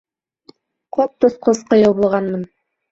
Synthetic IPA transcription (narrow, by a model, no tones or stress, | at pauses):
qʰop̚t̪ŏsqosqɤ̆jɤlˠbulˠʁɑnmɤn